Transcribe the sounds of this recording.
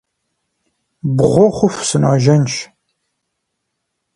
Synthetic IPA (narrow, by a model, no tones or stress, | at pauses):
bʁʷoχʷʊfsɨnɑ̰ːʒɐnʃ